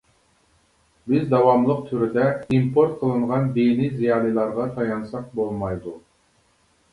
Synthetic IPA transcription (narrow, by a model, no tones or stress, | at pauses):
bɪzd̪ɑwɑmlˠəq̚t̪ʰyɾɪd̪ɛimpʰoɾt̪̚qʰəlˠɨɴʁɑnd̪enizijɑːlˠilˠɑɾʁɑt̪ʰɑjɑnsɑq̚bolˠmɑjd̪u